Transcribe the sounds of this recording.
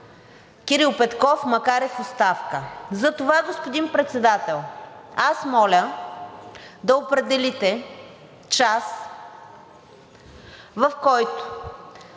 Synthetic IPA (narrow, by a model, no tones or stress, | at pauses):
kʲiɾilˠpɛt̪kɔfmɐkaɾɛfost̪afkəzɐt̪ovaɡospod̪inpɾɛt̪sɛd̪at̪ɛlˠasmɔlʲə | d̪ɐopɾɛd̪ɛlit̪ɛ | t͡ʃas | vɐfkɔjt̪ʊ̥